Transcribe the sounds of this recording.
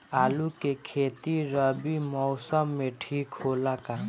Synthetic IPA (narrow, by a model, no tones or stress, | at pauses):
aːlukekʰeːt̪iɾəbimɔʊsəmːẽʈʰiːkɦoːlaka